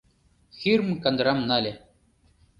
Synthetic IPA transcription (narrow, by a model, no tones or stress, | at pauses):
xiɾmkand̪ɾamnalʲe